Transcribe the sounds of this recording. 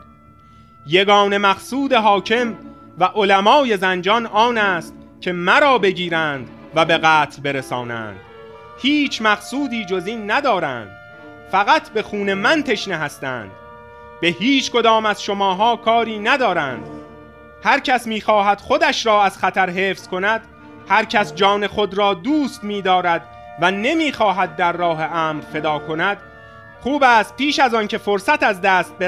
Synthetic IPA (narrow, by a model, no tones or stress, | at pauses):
je̞ɡɒːne̞mæχsuːd̪e̞ɦɒːcʰe̞m | væʔo̞læmɒːje̞zænd͡ʒɒnʔɒːnæːst̪cʲʰe̞mæɾɒːbe̞ɟiːɾænd̪ | væbe̞ɣæːt̪ʰlbe̞ɾe̞sɒːnæ̰ːnd̪̥ | hiːt͡ʃʰmæχsuːd̪iːd͡ʒo̞ziːnːæd̪ɒːɾænd̪̥ | fæɣæt̪ʰbe̞xuːne̞mænt̪ʰe̞ʃneɦæst̪æ̰ːnd̪̥ | be̞hiːt͡ʃʰko̞d̪ɒːmæzʃo̞mɒːɦɒːkʰɒːɾiːnæd̪ɒːɾæːnd̪̥ | hæɾcʰæsmiːxɒːɦæd̪̥χo̞d̪æʃɾɒːæz̥χæt̪ʰæɾɦe̞ːfskʰo̞næd̪̥ | hæɾcʰæsd͡ʒɒːne̞χo̞d̪ɾɒːd̪uːst̪miːd̪ɒːɾæd̪ | væne̞miːxɒːɦæd̪̚ːæɾːɒːɦe̞ʔæːmɾfe̞d̪ɒːkʰo̞næd̪̥ | χuːbæːst̪̚piːʃæzɒncʰe̞fo̞ɾsæt̪æzd̪æːst̪̚b